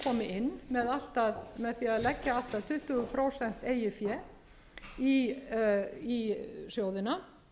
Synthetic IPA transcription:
kʰɔːmɪʔɪnːmɛðal̥t̪aðmɛðθiaðlɛcːaal̥t̪aðt̪ʰʏht̪ʏʏpʰɾoːsɛn̥t̪eːjɪfjɛ | i | isjoːwðɪna

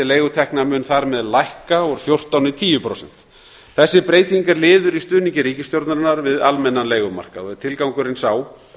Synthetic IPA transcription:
ɪleːjɣʏt̪ʰɛhknamʏːnθaɾmɛðlajhkaɔɾ̥fjowr̥t̪awnɪt̪ʰiːjʏpʰɾo̰wsɛn̥t̪ | θɛsːɪpɾeːjt̪iŋkaɾlɪːðʏɾist̪ʏːniɲcɪɾiːcɪst̪jowɾt̪naɾnaɾvɪðalmɛnːanleːjɣʏma̰r̥kaɛɾt̪ʰɪlkawŋkʏɾɪnsaːw

